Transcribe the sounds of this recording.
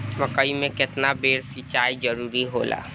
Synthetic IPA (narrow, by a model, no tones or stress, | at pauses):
məkəimẽkɪt̪nabeːɾsit͡ʃaːid͡ʒəɾuːɾiɦola̰ː